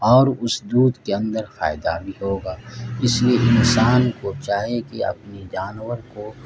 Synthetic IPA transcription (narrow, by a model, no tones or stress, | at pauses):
ɔːɾʊsd̪uːd̪keɐ̃nd̪əɾfa̰ːɪd̪a̰bʱiɦoːɡaːɪslieʔɪnsaːnkot͡ʃaːɦekeɐ̰pnid͡ʒaːnwəɾko